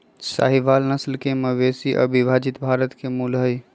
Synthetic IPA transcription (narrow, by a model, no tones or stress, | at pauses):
sa̰ɦiʋalnəslkeməʋesiʔə̰bʱibʱad͡ʒit̪bʱaɾət̪kemulɦəj